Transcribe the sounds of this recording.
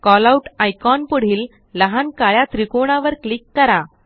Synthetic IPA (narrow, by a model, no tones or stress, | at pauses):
kɔlauʈajkɔnpuɽ̤iːlː | əɦankaɭjat̪ɾikoɳ̃aʋəɾklikːəɾa